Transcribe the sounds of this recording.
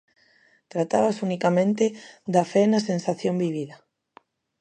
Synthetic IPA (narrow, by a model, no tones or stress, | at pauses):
t̪ɾat̪aβasunikamẽnt̪ed̪afɛnɐsensaθjombiβiðɐ